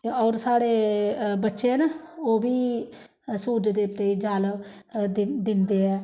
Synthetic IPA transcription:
ɔːɾsaːɽeːbətːʃeːnoːʋiː | suːd͡ʒd̪eːt̪eːiːd͡ʒaːld̪ɪd̪ɪnd̪eːɛː

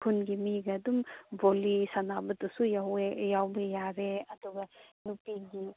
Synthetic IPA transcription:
kʰunɡimiɡɐdumbolisanabɐtusujwjawbɐjaɾeɐduɡɐnupiɡi

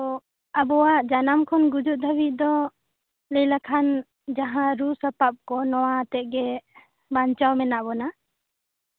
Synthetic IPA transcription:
abɔwaʔd͡ʒanamkʰɔnɡud͡ʒuʔ̚d̪ʱəbiʔ̚d̪ɔ | ləjlakʰan | d͡ʒaɦãɾusapap̚kɔnɔwat̪ɛʔ̚ɡɛ | baɲt͡ʃawmɛnaʔbɔna

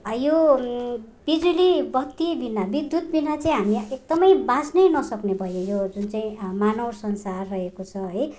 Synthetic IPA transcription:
ʌjo | b̥id͡zulibʌkt̪ibinːabid̪jut̪binat͡saĩɦamiek̚d̪ʌmʌjbasnʌjnʌsʌknebʱʌjojod͡zunt͡saĩmanʌwsʌnsarːʌekot͡sʰʌɦʌj

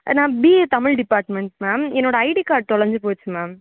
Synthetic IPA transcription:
nãːbiːt̪ɐmɪlɖɪpaːɾʈmɛɳʈmaːmɛnːoːɽɐɐɪʈikaːɾʈ̚t̪ɔɽɐɾɲd͡ʒɯpoːt͡ʃːɯmaːm

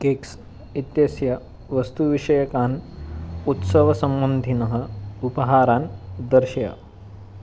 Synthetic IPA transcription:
keːks | it̪jesjɐ | ʋɐst̪uʋiʂɐjɐkaːn | ut̪sɐʋɐsɐmbɐnd̪ʱinɐɦɐ̆upɐɦaːɾaːnd̪ɐɾʃjɐ̰

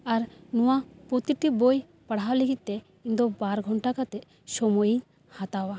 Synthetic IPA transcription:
aɾnɔwapɾɔt̪iʈ̪iboj | paɽ̤awliɡit̪̚t̪ɛ | ind̪ɔbaɾɡʱɔɳʈakat̪ɛ | sɔmɔjiɲ | hat̪awa

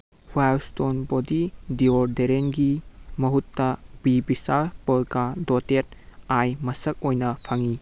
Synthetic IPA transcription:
hualstonbodidioɾdeɾenɡimɐɦutːɐb̥ibisapɔɾkadotet̚ajmɐsɐk̚ojnɐpʰaŋi

